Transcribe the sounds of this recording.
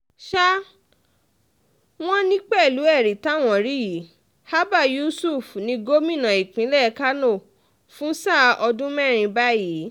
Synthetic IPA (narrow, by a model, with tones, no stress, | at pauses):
ʃa˦ | w̃ɔ̃˦nĩ˦k͡pɛ˦˨lu˨˦ɛ˦˨ɾi˨ta˨˦˨w̃ɔ̃˨ɾi˦ji˨˦ | ha˦ba˦˨ju˦su˦˨fnĩ˧ɡo˦mĩ˦˨nã˨i˨k͡pĩ˨˦lɛ˦˨˧ka˦no˦˨ | fũ˦sa˦˨ɔ˧dũ˦mɛ˦˨ɾ̃ĩ˧ba˦ji˨˦